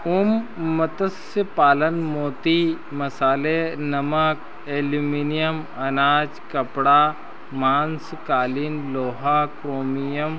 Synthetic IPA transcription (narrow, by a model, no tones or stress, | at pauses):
ʊmːɐt̪əs | əpaːlənmoːt̪i | mɐsaːlenɐmək | eːluminijəm | ɐnaːd͡ʒkɐpɽa | mãːnskaːliːnloːɦakɾoːmijəm